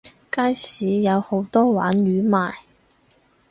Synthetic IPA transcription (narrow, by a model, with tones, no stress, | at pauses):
kaː˥jsiː˨˥jɐ˨˧who˨˥wt̪ɔː˥wa̰ː˨˥njyː˨˥maː˨j